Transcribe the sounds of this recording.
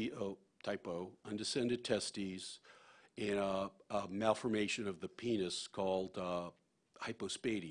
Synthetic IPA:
oʊ | tʰaɪpoʊʌ̃ndɨsɛ̃ndɨd̚tʰɛstiz̥ | ɨ̃n | mælˠfə˞meɪʃɨ̃nʌvðɨpʰĩnɨskʰɔlˠd̥ | haɪpoʊspeɪɾi

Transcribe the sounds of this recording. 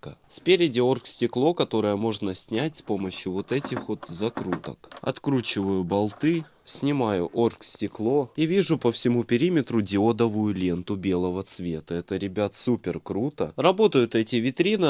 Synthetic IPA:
əsʲpʲeɾʲɪdʲɪo̞rksʲtʲɪklˠo̞kɐt̪o̞ɾəjəmo̞ʐnəsʲnʲætʲspo̞məɕjʊvo̞t̪ɛtʲɪxvo̞t̪zɐkɾut̪ə̰kɐ̰t̪kɾut͡ɕɪvəjʊbɐlˠt̪ɨ | sʲnʲɪmajʊ̰ʔo̞rksʲtʲɪklˠo̞ivʲiʐʊpəfsʲɪmupʲɪɾʲimʲɪt̪ɾʊdʲɪo̞d̪əvʊjʊlʲe̞nt̪ʊbʲe̞lˠəvət̪svʲet̪əɛt̪əɾʲɪbʲat̪supʲɪrkɾut̪ə̰rɐbo̞t̪əjʊt̪ɛtʲɪvʲɪt̪ɾʲinɨ

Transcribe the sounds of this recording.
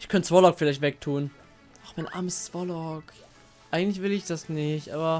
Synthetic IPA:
ʔɪçkʰœntt͡sv̥ɔlɔkfɪlaɪçtvɛk̚tʰuːn | ʔaχmaɪnʔa̰ːɐməst͡sv̥ɔlɔk | ʔaɪɡŋ̩tlɪçv̥ɪlɪçd̥asnɪçtʔa̰ːbɐ

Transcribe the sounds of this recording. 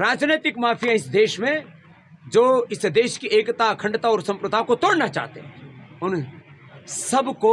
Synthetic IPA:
ɾaːd͡ʒneːt̪ɪkmaːpʰijãɪsd̪eːʃmẽ | d͡ʒoːɪsd̪eːʃkieːkt̪akʰɐ̃ɳɖt̪aɔːɾsɐ̃mpɾət̪aːʋkot̪oːɽnat͡ʃa̰ːɦt̪ḛɦɛ̰̃ʊn | sɐbko

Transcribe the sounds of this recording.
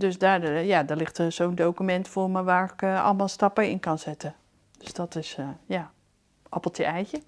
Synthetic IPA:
døsdajadəɹlɪχtəsowndowkymɛntfʊːɹməʋaːɹɪkɑ̰lˠəmalˠstɑpəɪnkɑnzɪtə | d̥øsd̥ɔtɪsəja | ʔɑplˠtʰəɛjcə

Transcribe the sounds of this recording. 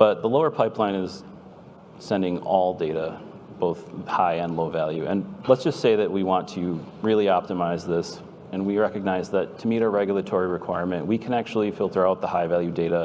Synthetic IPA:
b̥ʌt̪̚ðəloʊə˞pʰaɪpʰlãɪ̃nɪz̥ | sɛ̃ndɪ̃ŋɔlˠdeɪɾə | b̥oʊθhaɪɨ̃nloʊvælˠjʉʔɨ̰̃nlətsd̥ʒ̥ʌstseɪðɨʔ̚wiwɑ̃ntʰɨɹɪlˠiɑp̚təmaɪzðɪs | ɨ̃nwiɹɛkɨɡ̚naɪzðɨtʰɨmiɾəɹɛɡjl̩ˠətʰɔɹiɹɨkʰw̥aɪɹmɨ̃nʔwikʰɨ̃næk̚t͡ʃul̩ˠifɪlˠtʰə˞aʊt̪̚ðəhaɪvælˠjʉdeɪɾə

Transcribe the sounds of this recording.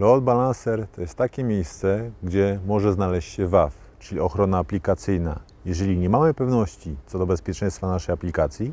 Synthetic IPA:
lɔd̪̚balansɛɾt̪ɔjɛst̪ːakʲɛmʲjejst̪sɛɡd͡ʑɛmɔʐɛznalɛɕt͡ɕɕɛvaf | t͡ʂɘlʲiɔxɾɔnaːplʲikat̪sɘjna̰ | jɛʐɛlʲiɲɛmamɘpɛvnɔɕt͡ɕit̪sɔd̪ɔbɛspʲjɛt͡ʂɛ̃j̃st̪fanaʂɛjaplʲikat̪sʲji

